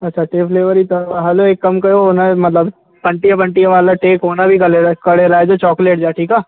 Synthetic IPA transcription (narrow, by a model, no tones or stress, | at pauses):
ɐtːʃʰaʈeːpʰleːʋəɾit̪ɐɐɦɐloeːkːɐmkɐɾoonamɐt̪ləb | pɐ̃ɳʈijapɐ̃ɳʈijaʋaːlaʈeːkɦoːnabʱikɐlekɐɽeɾaːed͡ʒot͡ʃɔːkleːʈ̚d͡ʒaːʈʰiːkaː